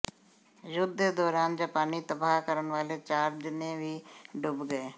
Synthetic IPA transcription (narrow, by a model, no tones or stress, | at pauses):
jʊd̪ed̪ɔːɾaːnd͡ʒaːpaːniːt̪əbaːɦkəɾənʋaːleːt͡ʃaːɾd̪ɪnẽːʋiːɖʊbɡəeː